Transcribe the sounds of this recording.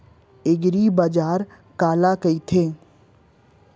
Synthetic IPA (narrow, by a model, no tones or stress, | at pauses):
eɡɾibad͡ʒaːɾ | kaːlakəit̪ʰẽ